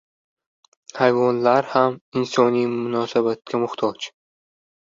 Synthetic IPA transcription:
hajvɒnlaɾhamɪnsɒnijmʊnɒsabat̪̚kʲʰamʊht̪ʰɒt͡ʃ

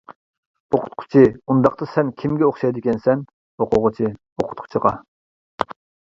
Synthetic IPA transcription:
oqʰʊ̥t̪̚qʰʊ̥t͡ʃʰiund̪ɑχt̪ɑsɛnkʲʰimɡʲɛoχʃɑjd̪ɪkʲʰɛnsɛn | hoqʰʊʁʊt͡ʃʰi | oqʰʊ̥t̪̚qʰʊ̥t͡ʃʰiʁɑ̰

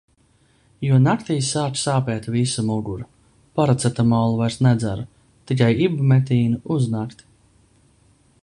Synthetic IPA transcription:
juɔnakt̪iːsaːt͡ʃsaːpɛːt̪visumuɡuɾu | paɾat̪sɛt̪amawlˠuvajɾsnɛd̪zæɾu | t̪ikajibumɛt̪iːnuuznaːkt̪

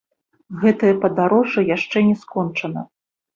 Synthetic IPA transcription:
ɣɛt̪ɨjɐpɐd̪aɾɔʐɨjaʂt͡ʂɛnʲɛskɔnt͡ʂɐnɐ̰

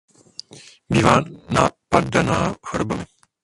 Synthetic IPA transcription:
biːvaːnaːpadanaːhɔɾbamɪ

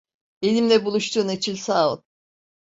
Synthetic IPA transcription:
elʲimlʲɛbulˠuʃt̪ʰuːnet͡ʃʰilʲsaːut̪

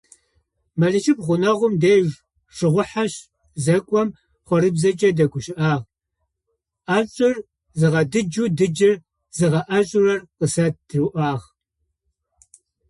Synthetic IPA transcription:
mɐɮɨʃɪpʁʷʊnɐʁʷʊmdeːʒ | ʂɨʁʷʊħaɕ | zɐkʷʼɔm | χʷɔɾɨbzɐt͡ʃʼɐdɐɡʷʰʊɕɪʔaːʁ | ʔaːɮɕʼɪr | zɨʁɐdɨd͡ʒuːdɨd͡ʒɐr | zɨʁɐʔɐɕʼʊrɐrqəsɐt̚d̥ruʔaːʁ

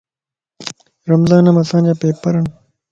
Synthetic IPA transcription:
ɾɐmzaːnɐmɐsãːnd͡ʑapeːpɐɾɐn

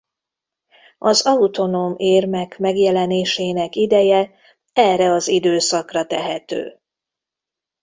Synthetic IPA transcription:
ɒzɒut̪o̞noːmeːrmɛkmɛɡjɛlɛneːʃeːnɛkid̪ɛjɛ | ɛːrɛɒzid̪øːsɒkrɒt̪ɛɦɛt̪ø̰ː

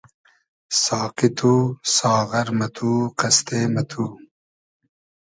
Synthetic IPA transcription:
saːqit̪ʰuːsaːɣɐɾmɐt̪ʰuːqɐst̪eːmɐt̪ʰuː

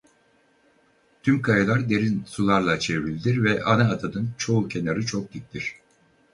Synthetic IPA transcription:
t̪ʰymkʰajɯlˠaɾd̪e̞ɾinsulˠaɾlˠat͡ʃʰe̞vɾilʲd̪iɾvɛʔanaːd̪ʰanɯnt͡ʃʰo̞ucʰe̞naɾɯt͡ʃʰok̚d̪it̚t̪iɾ̥

